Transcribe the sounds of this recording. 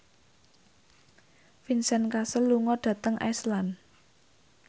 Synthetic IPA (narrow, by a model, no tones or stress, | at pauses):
finsɛnkasəlːuŋɔɖ̥ä̤t̪əŋʔa̰slan